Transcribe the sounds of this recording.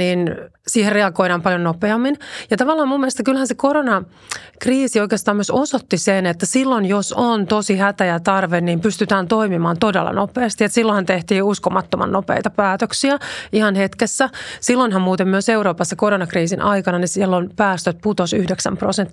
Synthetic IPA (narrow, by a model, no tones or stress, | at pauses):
niːnsiːherreɑɡoiɾɑːmpɑljonnopeɑmːinjɑt̪ɑʋɑlːɑːmumːielest̪ɑkylhænsekoɾonɑ | kriːsioikeːst̪ɑːmyøsosot̪ːisenet̪ːæsilːonjosont̪osihæt̪æjæt̪ɑrʋenniːmpyst̪yt̪æːnt̪oimimɑːnt̪odḛlːɑ̰nopeɑst̪iet̪silːohɑnt̪eht̪iːuskomɑt̪ːomɑ̰nnopḛit̪ɑpæːt̪øksiæihɑnhet̪kesːæsilːoinɦɑmmuːt̪emmyøseuɾoːpɑsːɑkoɾonɑkriːsinʔɑikɑnɑnisilːonpæːst̪øt̪̚put̪osyhdeksæ̰mprosent̪ː